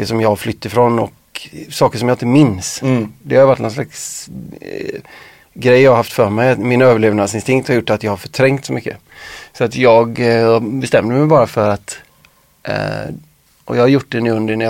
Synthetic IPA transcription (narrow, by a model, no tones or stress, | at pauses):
əʂɔmjɑːflʏt̪ːɪfɾɔnɔ̰k | sɑːkəʂɔmjaɪnt̪əmɪnsd̪ɛhajvaʈːnɔnslaks | ɡɾɛjːɑːɡaɦaft̪fœɾmɛjat̪mɪnøːvəɭeːvnad̪sɪnst̪ɪŋkt̪haɾjʊʈːat̪jɑːhaɾfœʈʰɾɛŋkt̪sɔmʏkːə | sɔat̪jɑːɡbɛst̪ɛmːd̪əmɛjbɑːɾafœɾat̪ | ʔɔ̰jɑːɡhaɾjʊʈ̚ːd̪ɛnʉːɵnd̪ənæj